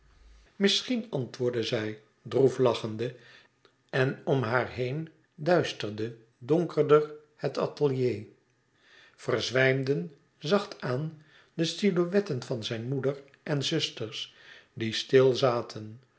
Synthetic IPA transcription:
mɪsχinɑntʋʊːɹdəzɛj | druflɑχəndə | ɛnɔmɦaːɹɦejn | dœɥstərdə | dɔŋkʰəɹdər | hətɑ̰təlˠjej | v̥ərzʋɛjmdən | zɑχtaːn | dəstiloʋɛtənvɑnzɛjnmudər | ʔɛnzɵstəɹs | distɪlˠzaːtʰən

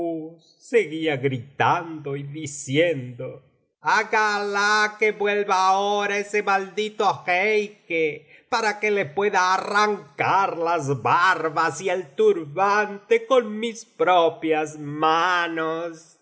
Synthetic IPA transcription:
usːeɣiaɣɾit̪and̪oiðisjend̪o | aɣalakeβwelβaoɾaesemald̪it̪oxejkepaɾakelepwe̞ðaːraŋkaɾlazβaɾβasielt̪uɾβant̪ekonmispɾopjazmanos

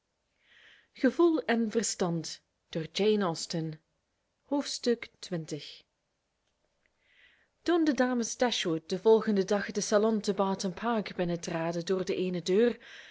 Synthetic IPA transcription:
χəvulˠɛnvərstɑnt | d̥oːrd͡ʒejnɔlˠstən | hoːftstɵktʋɪntəx | tundədaːməstɛʃwut̚d̥əvɔlˠɣəndədɑxdəsalɔntəbaːtənpʰaːkbɪnətraːdədoːrdəʔeːnədøːr

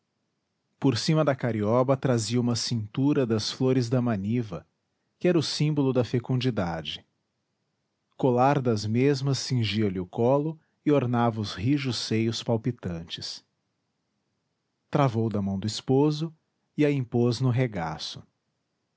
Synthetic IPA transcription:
poɾsĩmɐd̪ɐkaɾiɔbɐt̪ɾaziɐũmɐsĩnt̪uɾɐd̪ɐsfloɾɪzd̪ɐmɐ̃nivɐ | kɪɛɾɐʊsĩbolʊd̪ɐfekũd͡ʒid̪ad͡ʒɪ | kolaɾd̪ɐzmezmɐsːĩʒiɐlɪʊkɔlʊ | ɪoɾnavɐʊzhiʒʊsejʊspawpit̪ɐ̃nt͡ʃɪ̥s | t̪ɾavowd̪ɐmɐ̃w̃d̪ʊispozʊ | ɪɐĩpoznʊɦeɡa̰sʊ̥

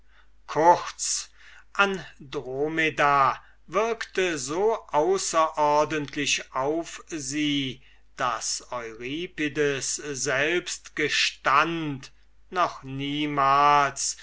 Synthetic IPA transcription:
kʰʊχt͡s | ʔandʁomeda | vɪɐktəzoːʔaʊsɐʔɔʁdəntʰlɪʃaʊfziː | d̥asɔʏʁiːpidəszɛlpstɡ̥əʃtant | nɔχniːmaːls

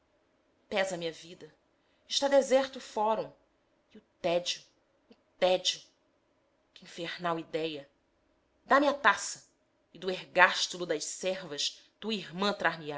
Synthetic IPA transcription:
pɛzɐmĩɲɐvid̪ɐ | ɪʃt̪ad̪ezɛɾt̪ufɔɾõ | ɪʊt̪ɛd͡ʒiʊ | ʊt̪ɛd͡ʒʊ | kɪĩfeɾnawid̪ɛjɐ | d̪amɪat̪asɐ | ɪd̪ʊeɡaʃt̪ulʊd̪ɐʃsɛɾvɐʃt̪uɐiɾmɐ̃t̪ɾaɦmia

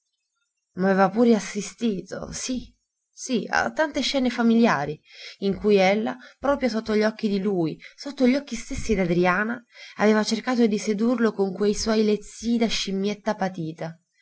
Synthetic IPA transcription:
mavɛːvapuːɾeasːist̪iːt̪o̰si | sia̰t̪ːant̪eʃːɛːnefamiljaːɾiiŋkujelːapɾɔːpɾjosot̪ːoʎːɔk̟ːid̪iluːjsot̪ːoʎːɔkːist̪esːid̪ad̪ɾiaːnaaveːvat͡ʃerkaːt̪od̪ised̪urlokoŋkwejswɔjlet̪sːiːd̪aʃimjet̪ːapat̪iːt̪a

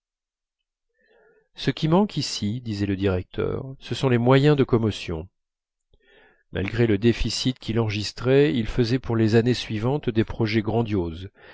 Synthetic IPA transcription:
səkʲimɑ̃kʰisid̪izɛləd̪iʁɛk̚t̪ʰœ̰ːʁsəsɔ̃lemwajɛ̃d̪əkɔmɔsjɔ̰̃ | ma̰lɡʁeləd̪efisit̪kʰʲilɑ̃ʁəʒist̪χɛilfəzɛpuʁlezanesɥivɑ̃t̪d̪epχɔʒɛɡʁɑ̃d̪joz

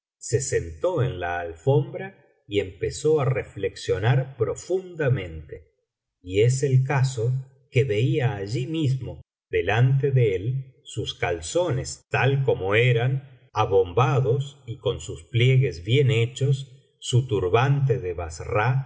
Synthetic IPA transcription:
se̞sent̪oenlaːlfombɾa | iempesoarefleksjo̞naɾpɾo̞fund̪amẽ̞nt̪e | ies̬elkaso | keβe̞iaːʒimizmo̞ | ðelant̪eðeelsuskalso̞ne̞st̪alko̞moeɾan | aβo̞mbaðo̞siko̞nsuspljeɣezβje̞net͡ʃosː | ut̪uɾβant̪̬eðeβasra

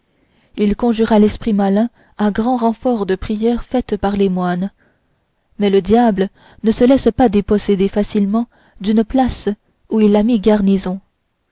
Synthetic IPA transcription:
ilkɔ̃ʒyʁalɛspχimalɛ̃ | ɛ̃ɡʁɑ̃ʁɑ̃fɔʁd̪əpχijɛʁfɛt̪paʁlemwan | mɛləd̪jablə | nəsəlɛspad̪epɔsed̪efasilmɑ̃ | d̪ynplas | uilːamiɡaʁnizɔ̃

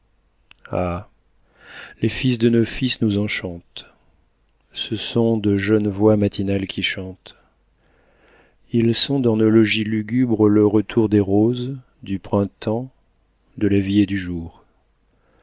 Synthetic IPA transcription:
a | lefis̬d̪ənofisnuzɑ̃ʃɑ̃t̪ | səsɔ̃d̪əʒœnvwamat̪ʰinalkʲiʃɑ̃t̪ | ilsɔ̃d̪ɑ̃nolɔʒilyɡʲybʁələʁət̪ʰuʁd̪eʁoz | d̪ypχɛ̃t̪ɑ̃ | d̪əlavied̪yʒuːʁ

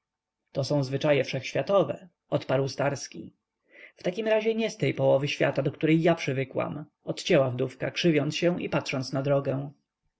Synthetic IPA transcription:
t̪ɔsɔ̃w̃zvɘt͡ʂajɛfʂɛxɕfʲjat̪ɔvɛ | ɔt̪paɾwst̪aɾskʲḭ | ft̪akʲimɾaʑɛɲɛst̪ɛjpɔwɔvɘɕfʲja̰t̪ad̪ɔkt̪uɾɛjːapʂɘvɘkwa̰m | ɔt̪t͡ɕɛwavd̪ufkakʂɘvʲjɔnt̪sɕɛ̃w̃ḭpatʂɔnt̪snad̪ɾɔɡɛw̃

